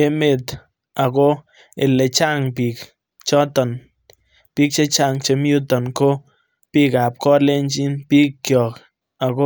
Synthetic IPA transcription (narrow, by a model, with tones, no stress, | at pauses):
e˦me˨t | a˨ko˦ | ɪ˨lɛ˨t͡ʃa˦ŋpi˨k | t͡ʃɔ˦tɔ˨n | pi˦k̚t͡ʃe˦t͡ʃa˦˨ŋt͡ʃe˨mju˦tɔ˨nko˦ | pi˦ka˨p̚kɔ˦le˦nt͡ʃi˦npi˦kːjɔ˨k | a˨ko˦